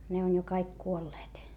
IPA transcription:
ne on jo kɑik kuolːeːt

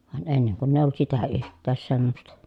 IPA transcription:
ʋɑn enːeŋ kunː eˑij olːŭt sitæ yhtˑæːs semːostɑ

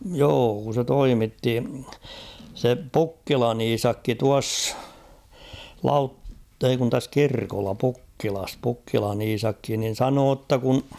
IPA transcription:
joː kun̞ se toimitːi se pukːilɑn iːsɑkːi tuɑsː lɑutː ei kun tæs kirkolːɑ pukːilɑs pukːilɑn iːsɑkːi nin̞ sɑnoː tːɑ kun̞

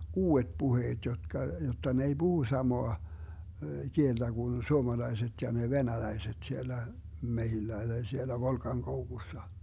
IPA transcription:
uːet puheːt jotkɑ jotːɑ ne ei b̥uhu sɑmoɑ kield̥æ ɡ̊un suomɑlɑiset jɑ ne ʋenælæiset sielːæ mehilːæ tɑi sielːæ ʋolkɑŋkoukusːɑ

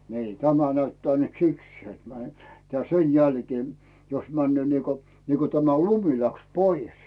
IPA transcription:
niː tæmæ næytːæː nyt sikseː tm̆æ̆ tæ sen jælkeː jos mænːyøˑ niːko niːko tæmæ lumi læks poies

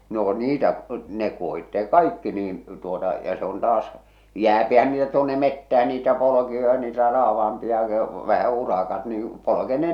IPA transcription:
no niːtæ ne kuohitːeː kɑikːi niːn tuotɑ jɑ se on tɑːs jæːpihæn niːtæ tuonːe metːæhæ niːtæ polokiojɑ niːtæ rɑːʋɑh̞ɑmpiɑ ʋæhæ urɑkɑt niː polokeː ne

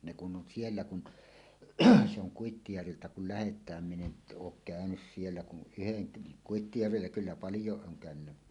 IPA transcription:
ne kun ʔon sielːæ kun se oŋ kuitːijærʋiltæ kul læhetˑæːm min en oːk kæønys sielːæ kun ʔyheŋ ke kuitːijærʋilːæ kylːæ pɑljoˑeʔ ʔoːŋ kæˑønynːæ

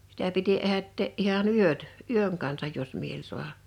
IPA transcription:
sitæ piti ehætːeːʔ ʔihɑn yøt yøŋ kɑnsɑj jos miel su̞ɑhɑ

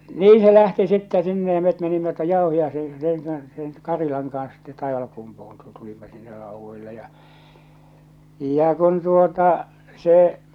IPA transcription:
niː se læhti sitːæ sinːe jɑ met menimːæ tuoj j̊ɑˑohiɑise seˑŋ kɑns seŋ kɑrilɑŋ kɑns sitːe tɑiʋɑlkumpuhun tu tulimːɑ sinːe rɑuʋːoilːe jɑ jɑ kun tuotɑ se

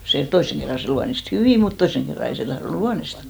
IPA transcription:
se toisːeŋ kerːɑ se luɑnist hyʋiˑ mut toisːeŋ kerːɑ ei se tɑhronŭ luɑnistɑ

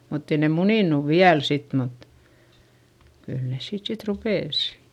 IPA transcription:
mutː ei ne muniˑnuʋ ʋiæl sit mut kyl nes siːt sit rupeˑs

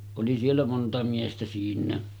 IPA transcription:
oli sielːæ montɑ miestæ siːnˑæː

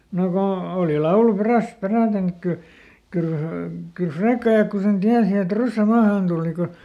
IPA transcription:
no ko oˑli lɑulu peræst̆ peræˑten ek kyl kyːl kyl frekːɑjɑkːu sen tiæsi et rysːæ mɑːhɑˑn tuːli ko

